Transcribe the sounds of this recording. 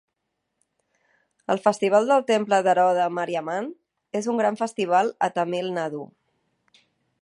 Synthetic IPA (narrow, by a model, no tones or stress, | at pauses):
əlˠfəst̪iβ̞alˠd̪əlˠt̪empləðəɾɔð̞əməɾiəman | ezuŋɡɾaɱfəst̪iβ̞alˠət̪əmilˠnəðu